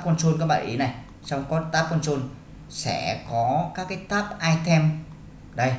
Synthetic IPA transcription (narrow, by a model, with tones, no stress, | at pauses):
a˦˥p̚kɔ˧nso˧nkaː˦k̚ɓa̰ː˧˨ʔi˨˦na˨˩j | sa˧wŋ͡mkɔ˨˦t̪aː˦˥p̚kɔ˧nso˧n | sɛ̰˧˩˥kɔ˨˦kaː˦˥kːaː˨˦jt̪aː˦˥p̚ʔaː˧jt̪ʰɛ˧m | ɗə˧j